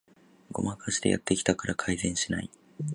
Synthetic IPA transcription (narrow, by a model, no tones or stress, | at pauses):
ɡo̞̰makʰaɕi̥d̪e̞jʔa̰t̪ːe̞kʲi̥t̪akaɾʔakʰaizẽ̞ɰ̃ɕina̰i